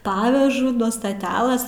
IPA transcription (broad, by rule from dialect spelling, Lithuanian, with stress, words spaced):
ˈpɑːʋʲɛʒʊ nuɔ stɐˈtʲæːlˠɘsʲ